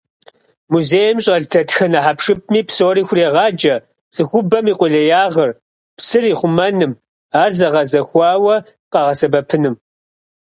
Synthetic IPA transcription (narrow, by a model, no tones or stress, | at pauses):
muzeːjɛmɕʼɐɮtʰɐtxɐnɐħapʂɨp̚ʰmiːpsoːɾiːxʷʊreːʁɑːd͡ʒɐ | sʼɨxʷʊbɐmiːqʷʊɮɐjaːʁɐr | psɨriːχʷʊmɐnɨm | aːrzɐʁɐzɐxʷɑːwɐ | qɑʁɐsɐbɐpʰɨnɨm